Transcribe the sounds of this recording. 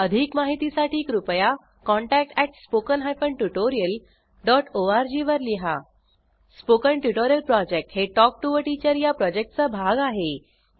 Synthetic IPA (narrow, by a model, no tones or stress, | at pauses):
əd̪ʱiːkmaɦit̪isaʈiːkɾupəja | kɔ̃ɳʈæk̚ʈæʈspokənɦajfəɳʈuʈoɾijəl | ɖɔʈʰoaɾd͡ʑiʋəɾliɦa | spokəɳʈjuʈoɾijəlpɾɔd͡ʑek̚ʈɦeʈɔk̚ʈuʋəʈit͡ɕəɾjapɾɔd͡ʑek̚ʈ̚t͡sabʱaɡaɦe